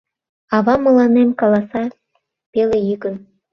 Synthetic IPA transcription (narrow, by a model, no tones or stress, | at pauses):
ɑβɑmə̆lɑnemkɑlɑsɑ | pelejyɣən